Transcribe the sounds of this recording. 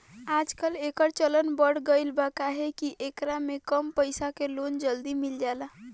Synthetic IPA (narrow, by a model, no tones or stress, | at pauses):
ad͡ʒkəlekəɾt͡ʃələnbəɽ̤ɡəɪlbakaɦɛkiʔekɾamekəmpəjsakelond͡ʒəld̪imild͡ʒala